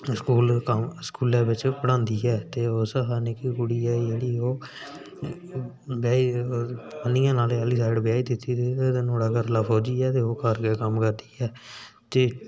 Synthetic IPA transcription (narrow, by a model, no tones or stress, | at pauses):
skuːlkəmskuːlɛ̃ːbɪt͡ʃpəɽãːnd̪iːɛːt̪eːosəɦaːneːkikʊɽiːɛːd͡ʒeːɽiːoː | bjaːi | pənijãːnaːleəliːsaːɪɖbɪjaːiːd̪ɪt̪ːiːt̪eːed̪ɪnoːɽaːkəɾlaːpʰoːd͡ʒiːɛːt̪eːoːkəɾkeːkəmkəɾd̪iːɛː | t̪eː